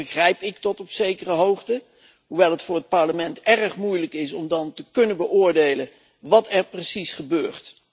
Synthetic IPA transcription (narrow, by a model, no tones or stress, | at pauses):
əχrɛjpɪk̚tɔtɔpsejkərəɦowχtə | ɦuʋɛlˠɦətfʊːɹrɦət̚pɑɹləmɛntɛrəχmujləkɪsɔmdɑntəkɵnənbəʔʊːɹdejlə | ʋɑtɛɹprəsisχəbøːɹt